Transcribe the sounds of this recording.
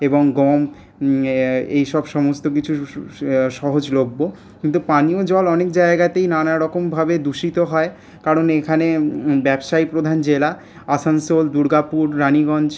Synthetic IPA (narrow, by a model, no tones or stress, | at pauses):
eboŋɡɔm | ejʃɔbʃɔmost̪ok̬it͡ɕʰu | ʃɔɦod͡ʑlobːo | kint̪upaniod͡ʑɔlɔnek̚d͡ʑaeɡat̪ejnanaɾɔkombʱabed̪uʃit̪oɦɔe | kaɾonekʰanebɛbʃajpɾod̪ʱand͡ʑela | asansold̪uɾɡapuɾɾaniɡɔnd͡ʑ